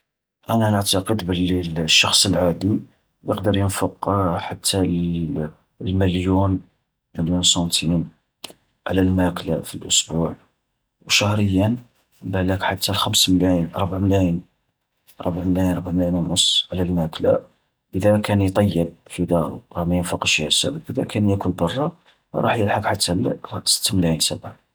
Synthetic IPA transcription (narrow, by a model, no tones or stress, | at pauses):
ʔænænəʕt̪ɑqəd̪bəlːiʃːɑxsˤəlʕad̪i | jəqd̪əɾˤjənfəqħat̪ʰːæl | lməljun | məljunsɑnt̪ʰin | ʕlælmækla̰filʔʊsbuʕ | wʃæhɾəjːən | bæləkħat̪ːælxæmsməlæjənɾˤbʕmlæjən | ʔɾˤə̰bʕmlæjənɾˤbʕmlæjənænʊsˤʕlælmæklæ̰ | ʔəd̪ækʰænjt̪ˤɑjːəb̚fid̪ɑɾ̰ˤɾɑmæjənfuqʃæsæ̰bəkəd̪ækænjækʊlbɑrˤːɑ | ɾˤɑ̰ħjəlħəkħat̪ʰːælɾˤɑsə̥t̪ːmlæjənsæbʕa